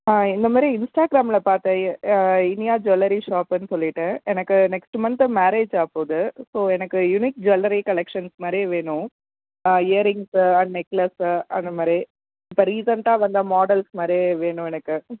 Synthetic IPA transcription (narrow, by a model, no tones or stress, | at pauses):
aːɪnd̪ɐmaːɾɾiɪnsʈaːɡɾaːmɪlɐpaːɾt̪ẽːɪnɪjaːd͡ʒɔlɐɾiʂaːpɐnːɯsɔlːɪʈːɯɛnɐkːɯnɛksʈmɐnt̪maːɾeːd͡ʒaːpːoːðɯsoːɛnɐkːɯjʊnik̚d͡ʒɔlɐɾikɐlɛkʂɐnsmaːd̪ɾiʋeːɳʊ̃ | eɐɾɪŋsɐnɛkːlɐsɐnd̪ɐmaːd̪ɾi | ɪpːɐɾiːsɐɳʈãːʋɐnd̪aːmaːɖɐlsmaːd̪ɾiʋeːɳʊ̃ɛnɐkːɯ